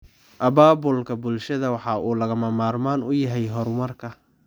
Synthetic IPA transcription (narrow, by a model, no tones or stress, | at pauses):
ʔɐbaːbʊlkʰɐbʊlʃɐðɐwɑħɑːʔuːlɐɣɐmɐmaːrmaːnʊjɐɦɛjɦɔrmɐrkʰɐ